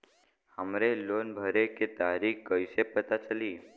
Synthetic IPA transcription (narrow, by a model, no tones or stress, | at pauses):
həmɾelonbʱəɾeket̪aɾikkːəjsepət̪at͡ʃəliː